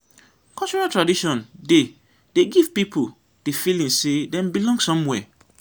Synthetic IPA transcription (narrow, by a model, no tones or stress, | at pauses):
kɔlt͡ʃɔɹatɹadiʃɔ̃nde | deɡiv̥pipʰu | d̥efilĩŋsedɛ̃mbilɔ̃ŋɡsɔ̃mwɛ